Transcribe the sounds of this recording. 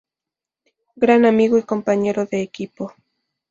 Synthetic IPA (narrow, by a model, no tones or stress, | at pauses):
ɡɾanamiɣoiko̞mpaɲe̞ɾoðeːkipo